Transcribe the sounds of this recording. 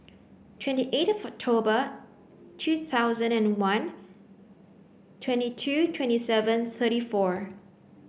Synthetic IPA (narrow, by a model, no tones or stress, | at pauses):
tʰwɛ̃ntiʔetɔvɔk̚tʰobə | tʰuθʰaʊzə̃nɛ̃nwãn | tʰw̥ɛ̃ntitʰutʰwɛ̃ntisɛvə̃nθʰəɾifɔɹ